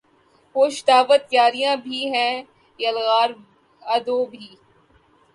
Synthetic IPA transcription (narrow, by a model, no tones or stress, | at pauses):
hoːʃd̪aːʋət̪ːjaːɾijãbʱiɦɛ̃ | jɐlɣaːɾ | ɐd̪oːbʱiː